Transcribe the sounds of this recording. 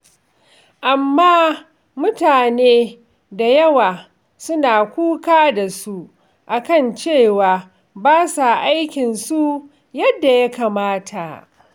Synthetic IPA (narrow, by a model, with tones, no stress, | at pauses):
ʔa˨mːaː˦ | mʊ˦taː˨neː˦ | da˨jɐ˦waː˨ | sʊ˦naː˨kʷuː˦kaː˦da˨su˦ | ʔa˨kɐ˦˨nt͡ʃeː˦˨waː˨ | baː˦sa˨ʔa˦jkʲɪ˨nsu˦ | jɐ˦dːa˨ja˦kaː˨maː˦tʰa˨